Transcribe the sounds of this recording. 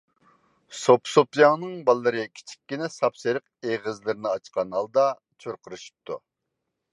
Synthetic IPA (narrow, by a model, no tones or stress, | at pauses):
sopsopjɑŋnɨŋbɑlˠːɨɾɨkʲʰi̥t͡ʃʰi̥kʲːinɛsɑpseɾəq̚eʁəzlˠɨɾɪnɨɑt͡ʃqʰɑnɑlˠd̪ɑ | t͡ʃʰøɾqʰəɾɨʃu̥p̚t̪ʰːṵ